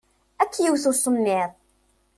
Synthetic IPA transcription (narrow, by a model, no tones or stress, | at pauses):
ækːjiwθusˤənːɪðˤ